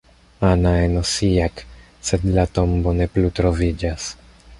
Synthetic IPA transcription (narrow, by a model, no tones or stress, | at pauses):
anaeno̞siak | se̞dlato̞mbo̞ne̞plutɾo̞vid͡ʒas